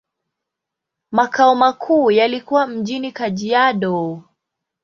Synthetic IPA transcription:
makaɔmakʰuːjalikuwam̩ʄinikaʄiaɗɔ

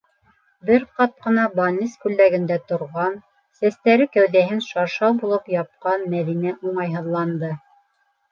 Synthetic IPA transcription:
bɘɾqɑt̪̚qɤ̆nɑbɑnʲːiskʉlːæɡɘ̆nd̪æt̪ŏɾʁɑn | sæst̪æɾɘkæwðæɦɘnʃɑɾʃɑwbulˠɤpjɑp̚qɑnmæðinæʔuɴɑjɦɤ̆ðlˠɑnd̪ɤ

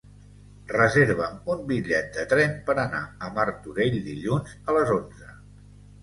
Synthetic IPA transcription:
rəzeɾβ̞əmumbiʎɛt̪̚d̪ət̪ɾɛmpəɾənaəmaɾt̪uɾeʎd̪iʎunzələzonzə

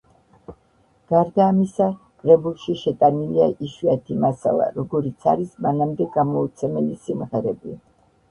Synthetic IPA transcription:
ɡ̥aɾd̪aːmisa | kʼɾɛbulˠʃiʃɛt̪ʼaniliaʔiʃwat̪ʰimasa̰lˠa̰ɾɔɡɔɾit̪sʰa̰ɾismanamd̪ɛɡamɔut̪sʰɛmɛlisimʁɛɾɛbi

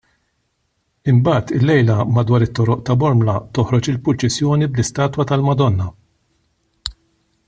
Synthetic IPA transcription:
ɪmbɐːt̪ɪlːɛjlɐmɐd̪wɐːɾɪt̪ːɔɾɔʔt̪ɐbɔɾmlɐt̪ɔhɾɔt͡ʃɪlpʊlt͡ʃɛsjɔːniblɪst̪ɐːt̪wɐt̪ɐlmɐd̪ɔnːɐ

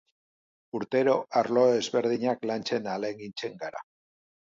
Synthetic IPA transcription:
uɾt̪e̞ɾo̞ʔaɾlo̞ezβe̞ɾðiɲaklant͡ʃe̞naleŋɡint͡se̞ŋɡaɾa̰

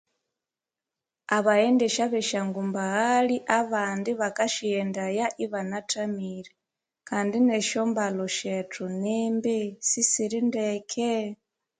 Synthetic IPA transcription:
aβaendɛʃaβɛʃaŋɡumbaɣaɺiʔaβandiβakaʃijɛndajaʔiβanatʰamiɾi | kʰandineʃombaloʃetʰunɛmbɛsisiɾindekʰe

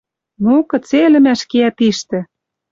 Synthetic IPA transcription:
nukɤ̆t͡selɘ̆mæʃkeæt̪iʃt̪ɘ̆

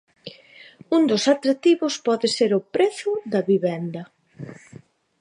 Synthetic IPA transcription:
und̪ʊsat̪ɾat̪iβʊspɔðɪseɾʊpɾeθʊðɐβiβɛnd̪ɐ

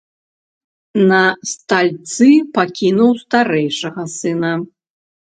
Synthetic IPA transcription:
nɐst̪alʲt̪sɨpakʲinuwst̪aɾɛjʂɐɣɐsɨnɐ

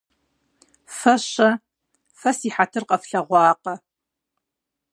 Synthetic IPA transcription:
fɐɕɐ | fɐsiːħatʰɨrqʼɐfɬɐʁʷɑːqʼɐ

